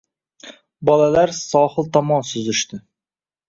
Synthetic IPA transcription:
bɒlalaɾsɒhɨlˠt̪ʰɒmɒnsʊzɪʃt̪ɪ

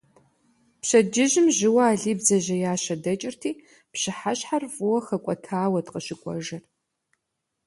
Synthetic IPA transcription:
pɕɐd͡ʒɪʑɪmʑɪwɐaːɮiːbzɐʑɐjaːɕɐdɐt͡ʃʼɪrtʰiː | pɕɪħaɕħarfʼʊwɐxɐkʷʼɔtʰaːwɐtqəɕɪkʷʼɔ̰ʒɐr

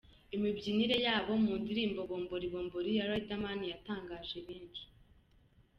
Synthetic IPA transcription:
imibɟiniɾe̞jaːβo̞muːndiɾiːmbo̞βo̞ːmbo̞ɾiβo̞ːmboɾijaɾaitamanijataːŋɡaːʒe̞βiːnʃi̥

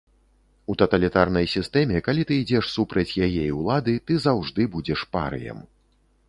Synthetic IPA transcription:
ut̪ɐt̪ɐlʲit̪arnɐjsʲist̪ɛmʲɛkalʲit̪ɨid͡zʲɛʂsupɾɐt͡sʲjajɛjiwlˠad̪ɨt̪ɨzawʐd̪ɨbud͡zʲɛʂpa̰ɾɨ̰jɐ̰m

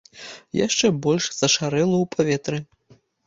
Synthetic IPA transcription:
ja̰ʂt͡ʂɛbɔlʲʂz̥ɐʂaɾɛlˠɐwpʰavʲɛt̪ɾɨ

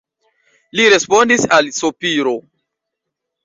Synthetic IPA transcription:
liɾe̞spo̞ndisalsopiɾo̞

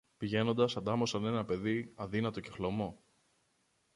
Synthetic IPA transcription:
piʝe̞no̞nd̪ɐsɐnd̪ɐmosɐne̞nɐpe̞ðiɐðinɐt̪o̞ce̞xlo̞mo̞

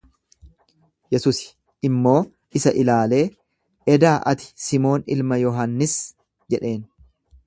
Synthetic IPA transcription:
jɛsuːsɪ̥ | ɪmːo̞ː | ʔɪsɐʔɪlaːle̞ː | ʔɛd̪aːʔɐt̪ɪ̥sɪmo̞ːnɪ̰lmɐjɔɦɐnːɪs | d͡ʒɛᶑe̞ːn

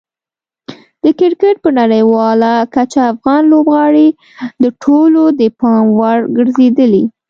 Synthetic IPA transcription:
d̪̥əkɪɾkəʈ̚pəɾnaɽəjwɑlakat͡ʃaːfɣɑnlobɣɑɽi | d̪əʈʰolod̪əpɑmwaɾɡəɾzed̪əli

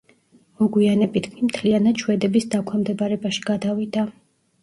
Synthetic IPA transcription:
ɔɡwianɛbit̪ɡmimt̪ʰlianad̪ʃʰwɛd̪ɛbisd̪akʰɛmd̪ɛbaɾɛbaʃi̥ɡ̥ad̪avid̪a

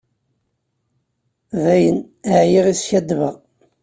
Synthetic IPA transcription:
ðæjən | əʕjiʁisçæd̪ːvəʁ

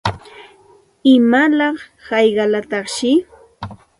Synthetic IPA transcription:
ɪmalɑχhɑjɢɑlat̪ɑχʃɪ

